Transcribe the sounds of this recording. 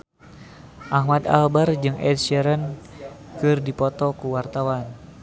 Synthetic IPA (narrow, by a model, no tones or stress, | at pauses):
ʔahmad̪a̰lbard͡ʒɨŋʔɛ̰d̪̚sɛɾən | kɨrdipɔt̪ɔkuwart̪awan